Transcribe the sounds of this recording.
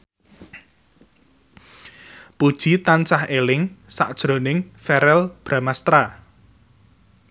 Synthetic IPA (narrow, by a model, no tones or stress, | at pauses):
pud̥ʒ̥i̤t̪ant͡ʃahelɪŋsa̰ʔd̥ʒ̥ɾo̤nɪŋfɛɾɛlb̥ɾamast̪ɾa